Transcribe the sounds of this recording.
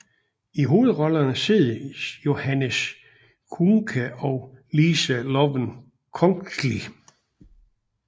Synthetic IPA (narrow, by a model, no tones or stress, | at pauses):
iɦo̝ːð̩ˠʁɒ̽lɐnəse̝ðˠjo̝hænəs | kʰuŋkʰæʔɒʊlisælɒʋən | kʰɔŋli